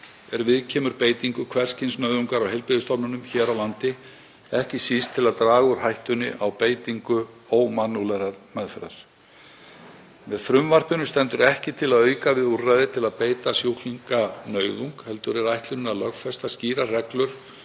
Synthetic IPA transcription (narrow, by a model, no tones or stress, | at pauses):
ɛɾvɪðcʰɛːmʏɾpeːjt̪iŋkʏkʰvɛr̥scɪnsnœːɥðuŋkaɾawhejlpɾɪðʏst̪ɔwpnʏnʏmçɛːɾawlant̪ɪ | ɛhcɪsist̪ʰːɪlaðt̪ɾaːɣʏɾ̥ɦajht̪ʏnːɪ̰ʔawpeːjt̪iŋkʏ | owmanːulɛɾaɾmɛðfɛɾaɾ̥ | mɛðθɾʏmvar̥pʏnʏst̪ɛnt̪ʏɾɛhcɪt̪ʰɪlaðœːɥjkavɪðurːajðɪt̪ʰɪlaðpeːjt̪asjowliŋkanœːɥðuŋkhɛl̪t̪ʏɾɛɾajht̪lʏnnaðlœɣfɛst̪asciːɾarɛklʏɾ̥